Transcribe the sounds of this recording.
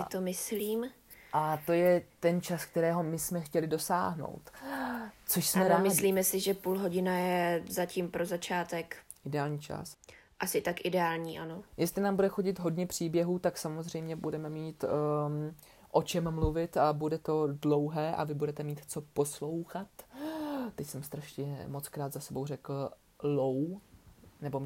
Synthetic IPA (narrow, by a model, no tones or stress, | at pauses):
ɪt̪omɪsliːm | ʔat̪o̞jɛt̪ɛnt͡ʃask̚t̪ɛɾɛːɦo̞mɪsmɛxcɛlɪdosa̰ːɦno̞̰wt̪ | t͡soʃsmɛɾaːmɪsliːmɛsɪʒɛpulɦo̞ɟɪnajɛzaciːmpɾozat͡ʃaːt̪ɛk | ʔɪdɛaːlɲiːt͡ʃa̰s | ʔasɪt̪akʔɪdɛaːlɲiːʔano̞jɛst̪lɪnaːmbudɛxo̞ɟɪt̪ɦo̞dɲɛpr̝̥iːbjɛɦut̪aksamo̞zr̝ɛjmɲɛbudɛmɛmiːt̪ | ʔo̞t͡ʃɛmːluvɪt̪abudɛt̪o̞dlo̞wɦɛːʔa̰vɪbudɛt̪ɛmiːt̪t͡so̞po̞slo̞wxat̪ | t̪ɛcsɛmst̪ɾaʃɲɛmo̞t͡skɾaːd̪zasɛbo̞wrɛkl̩ | low | nɛbo